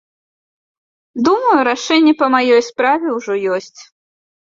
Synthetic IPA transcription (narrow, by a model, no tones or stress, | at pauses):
d̪umɐjuɾaʂɛnʲːɛpɐmajɔjspɾavʲɛwʐɔjɔsʲt͡sʲ